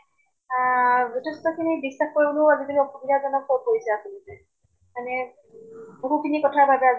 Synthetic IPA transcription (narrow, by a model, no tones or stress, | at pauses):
zutʰɛstɔkʰinibisːaxkoɹiboloazitomiɔpɔbidʱazɔnɔkːɔpoisɛakunitɛ | manɛ | boɦukʰinikɔtʰaɹbabɛaz